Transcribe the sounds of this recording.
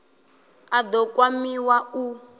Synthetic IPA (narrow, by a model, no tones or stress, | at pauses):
ad̪ɔkʼwamiwau